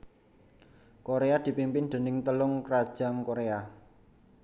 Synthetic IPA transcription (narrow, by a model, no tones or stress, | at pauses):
koɾead̪̥i̤pimpɪnd̪̥ə̤nɪŋt̪əlʊŋkrad̥ʒ̥a̤ŋkoɾea